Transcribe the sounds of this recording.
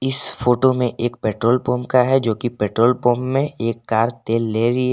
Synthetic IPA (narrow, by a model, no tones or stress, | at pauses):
ɪsfoːʈomẽʔeːkpɛːʈɾoːlpoːmkaɦɛd͡ʒoːkipɛːʈɾoːlpoːmːẽeːkːaːɾt̪eːlːeːɾi